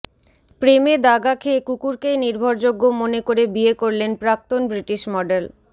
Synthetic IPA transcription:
pɾemed̪aɡakʰekukuɾkejniɾbʱoɾd͡ʑoɡːomonekoɾebiekoɾlenpɾak̚t̪onbɾiʈiʃmɔɖel

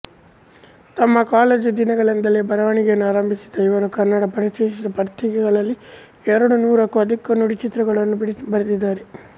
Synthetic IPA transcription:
t̪ɐmːɐkaːleːd͡ʒud̪inɐɡɐɭend̪ɐleːbɐɾɐʋɐɳiɡejɐnːuaːɾɐmbʱisi̥d̪ɐiʋɐɾukɐrnːɐɽɐpɐɾiʃeːʃid̪ɐpɐɾt̪ʰiɡɛɡɐɭɐlːi | ɛɾɐɽunuːɾɐkːuɐd̪ʱikːɐnuɽit͡ʃit̪ɾɐɡɐɭɐnːubbɐɾɐd̪id̪ːaːɾe

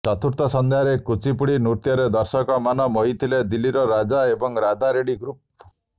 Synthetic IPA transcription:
t͡ʃɔt̪ʰuɾt̪ɔsɔnd̪eɦaɾekut͡ʃipuɽinuɾt̪jɔɾed̪ɔɾsɔkɔmanɔmɔɦit̪ʰiled̪ilːiɾɔɾad͡ʒaebɔŋɾad̪aɾeɽiɡɾup̚

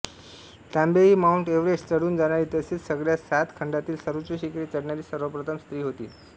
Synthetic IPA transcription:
t̪ãmbeiːmauɳʈeʋɾest͡səɽuːnd͡zaɽ̃aɾiːt̪əsiːlsəɡɭjasat̪kʰəɳɖat̪iːlsəɾʋut͡ɕuɕikɾit͡səɽɳjaɾiːsəɾʋəpɾət̪ʰəmst̪ɾiːɦot̪ḭː

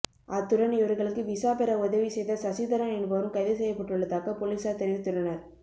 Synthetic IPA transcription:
ʔɐt̪ːʊɾɐnɪʋɐɾɣɐɭɯkːɯʋɪsaːpɛɾɐʊðɐʋisɛjðɐsɐsiðɐɾɐmɛnbɐːɾɯmkɐɪðɪsɛjːɐpːɐʈːɯɭːɐðaːkɐpolisaːt̪ɛɾɪʋɯt̪ːʊɾɐnɐɾ

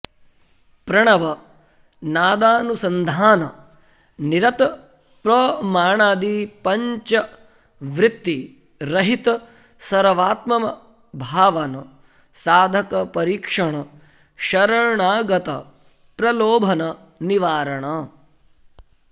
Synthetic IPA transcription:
pɾɐɳɐʋɐ | naːd̪aːnusɐnd̪ʱaːnɐ | niɾɐt̪ | pɾɐːmaːɳaːd̪iːpɐɲt͡ʃɐ | ʋɾɪt̪ːi | ɾɐɦit̪ɐ | sɐɾɐʋaːt̪mɐmɐ | bʱaːʋɐnɐ | saːd̪ʱɐkɐpɐɾiːkʂɐɳɐ | ʃɐɾɐɳaːɡɐt̪ɐ̰ | pɾɐloːbʱɐnɐ | niʋaːɾɐɳɐ

